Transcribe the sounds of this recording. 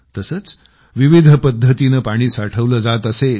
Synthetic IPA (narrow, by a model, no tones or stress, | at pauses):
t̪əsət͡s | ʋiʋid̪ʱəpəd̪ʱːət̪inəpaɽ̃iːsaʈʰəʋləd͡zat̪əse